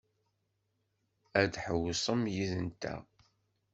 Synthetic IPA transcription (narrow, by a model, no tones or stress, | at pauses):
æd̪ħəwsˤəmjiðənt̪æ̰